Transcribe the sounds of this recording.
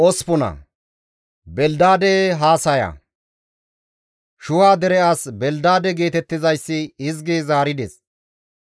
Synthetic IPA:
ʔɔspʊnɐ̰ | bɛld̪aːd̪ɛɦaːsɐjɐ̰ | ʃʊwaːd̪ɛɾɛaːsbɛld̪aːd̪ɛɡeːt̪ɛt̪ːɪzɐjsːɪɪzɡizaːɾɪd̪ɛs

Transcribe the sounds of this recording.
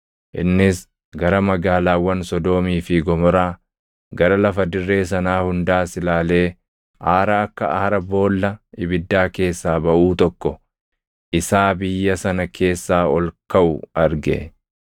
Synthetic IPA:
ʔɪnːɪs | ɡɐɾɐmɐɡaːlaːwːɐnsɔd̪o̞ːmiːfɪɡɔmɔɾaː | ɡɐɾɐlɐfɐd̪ɪrːe̞ːsɐnaːhʊnd̪aːsɪlaːle̞ː | ʔaːɾaːɐkːɐ̰ɐhɐɾɐbo̞ːlːɐɪbɪd̪ːaːke̞ːsːaːbɐʔuːt̪ɔkːɔ | ʔɪsaːbɪjːɐsɐnɐkʰe̞ːsːaːɔlkɐʔʊɐɾɡḛ

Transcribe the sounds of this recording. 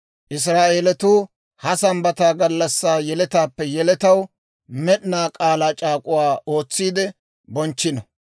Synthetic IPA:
ʔɪs̬ɾaːʔe̞ːlɛt̪uː | hɐsɐmbɐt̪aːɡɐlːɐsːaːjɛlɛt̪aːpːɛjɛlɛt̪ɐw | mɛɗnaːkʼaːlaːt͡ʃʼaːkʼʊwaːo̞ːt͡sːiːd̪ɛ | bɔnt͡ʃːɪnɔ

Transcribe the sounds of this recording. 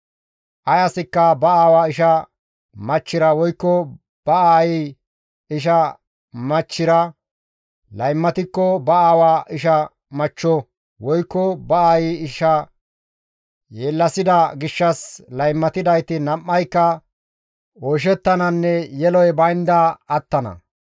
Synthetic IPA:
ʔɐjɐsɪkːɐbɐaːwaɪʃɐ | mɐt͡ʃːɪɾɐwɔjkːɔ | b̥ɐaːjɪ | ɪʃ̬ɐ | mɐt͡ʃːɪɾɐ | lɐjmːɐt̪ɪkːɔbɐaːwaʔɪʃɐ | mɐt͡ʃːɔ | wɔjkːɔbɐaːjɪɪʃɐ | jeːlːɐsɪd̪ɐɡɪʃːɐslɐjmːɐt̪ɪd̪ɐjt̪ɪnɐmːɐjkːɐ | ɔʃ̬ɛt̪ːɐnɐnːɛjɛlɔjbɐjnd̪ɐːt̪ːɐnɐ̰

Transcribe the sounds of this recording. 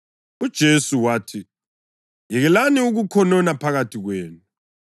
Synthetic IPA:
ud̥ʒ̥ʱesuwaːtʰi | jiɣɛlaniuɣukʰɔnɔnapʰaɣatʰiɣweːnu

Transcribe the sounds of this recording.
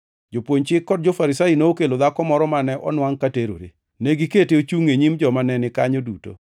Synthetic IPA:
d͡ʒopwoɲt͡ʃɪkːɔd̚d͡ʒofaɾɪsajinookelod̪akɔmɔɾɔmanɛʔɔ̰nwaŋkateɾo̰ɾḛ | neɡiketeot͡ʃuŋeɲimd͡ʒɔmanɛnɪkaɲoduto̰

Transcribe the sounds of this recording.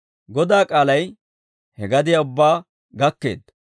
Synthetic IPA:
ɡɔd̪aːkʼaːlɐj | hɛɡɐd̪ɪjaʊbːaː | ɡɐkːe̞̰ːd̪

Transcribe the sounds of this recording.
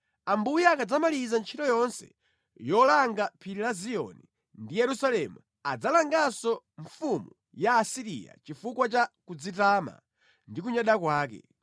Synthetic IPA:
ambujaakad͡zamalizant͡ʃʰitɔjɔnsɛ̰ | jɔlaŋɡapʰiɾilaziɔ̰ni | ndijɛɾusalɛmu | ad͡zalaŋɡasɔ | ɱfumu | jaːsiɾḭja̰t͡ʃifukwat͡ʃakud͡zitama̰ | ndik̬uɲaɗakwaːk̬ɛ̰

